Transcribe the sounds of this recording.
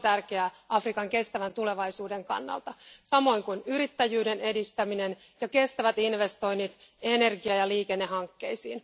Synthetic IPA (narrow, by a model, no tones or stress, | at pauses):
t̪ærkeæɑfrikɑŋke̞st̪æʋænt̪ule̞ʋɑjsuːde̞ŋkɑ̰nːɑ̰lt̪ɑsɑmo̞jŋkunyɾit̪ːæjyːde̞ne̞dist̪æminen | jɑke̞st̪æʋæt̪inʋe̞st̪o̞jnːit̪e̞ne̞rɡiɑjɑliːke̞nːe̞ɦɑŋkːe̞̰jsḭːn